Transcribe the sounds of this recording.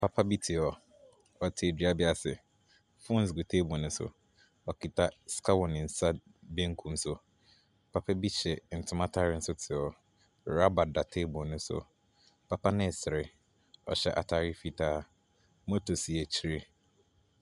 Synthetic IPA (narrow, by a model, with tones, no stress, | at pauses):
pʰa˦pʰa˦bi˦tʰi˨ɔ˨ | ɔ˨tʰe˨di˨a˦bɪ˦a˨sɪ̰˨ | fõ˦n̩˨s̬ɡu˨tʰe˦bʊ˨nʊ̃˦sʊ̰˨ | ɔ˨kʰi˨tʰa˦skʰa˦wɔ˨nɪ̃˨n̩˨sa˦ | bẽ˦ŋ˦kʰũ˦sʊ˦ | pʰa˦pʰa˦bi˦t͡ɕɛ˨n̩˨tʰʊ˦ma˦tʰa˦ɾɪ˦n̩˦sʊ˦tʰɪ˨ɔ˨ | ɾa˦ba˨da˨tʰe˦bɔ˨nʊ̃˦sʊ̰˨ | pʰa˦pa˦nɪ̃˦˨sɪ˨ɾɪ˨ | ɔ̰˨ɕɛ˦ʔa̰˨tʰa˦ɾɪ˦fi˦tʰaː˦ | mɔ˦tʰo˨si˨ɛ˨t͡ɕʰi˦ɾe˦